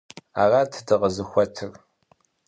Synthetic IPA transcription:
aːraːtʰɨdɨʁəzɨxʷɔtʰɨr

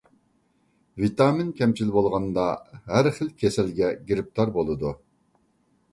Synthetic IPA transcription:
vit̪ɑmɪnkʲʰɛmt͡ʃʰilbolˠʁɑnd̪ɑɦæɾχəlkʲʰesɛlɡʲɛɡʲiɾɪp̚t̪ʰɑɾbolˠɨd̪u

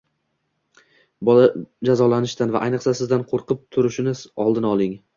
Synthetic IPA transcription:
bɒlad͡ʒazɒlanɪʃt̪anva̰ʔajnɨqsasɪzd̪anqʰoɾqʰɨp̚t̪ʰʊɾɪʃɪnɪzɒlˠd̪ɪnɒlˠɪŋ

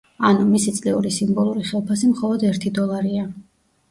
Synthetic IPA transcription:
anumisit̪sʼlɛuɾisimbɔlˠuɾiχɛlˠpʰasimχɔlˠɔd̪ɛɾt̪ʰid̪ɔlˠaɾia

